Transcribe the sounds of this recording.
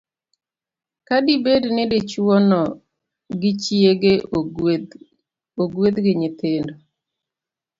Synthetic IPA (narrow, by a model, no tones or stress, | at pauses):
kadibednedet͡ʃwɔnɔ | ɡɪt͡ʃjeɡe | oɡwed̪ɡɪɲɪt̪ɪndɔ